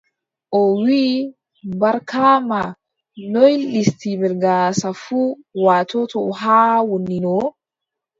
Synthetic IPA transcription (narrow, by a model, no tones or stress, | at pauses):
ʔɔwi | bɐɾkʰaːma | nɔjlist̪ibɛɾɡaːsafu | waːt̪ɔt̪ʰɔɦaːwɔnːinɔ